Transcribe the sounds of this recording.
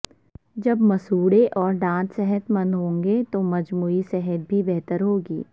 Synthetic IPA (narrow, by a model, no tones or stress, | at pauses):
d͡ʒɐbmɐsuːɽeʔɔːɾɖãːt̪sɛɦət̪mɐ̃nd̪ɦõːŋɡet̪omɐd͡ʒmuːisɛɦət̪̚bʱibɛɦt̪əɾɦoːɡḭː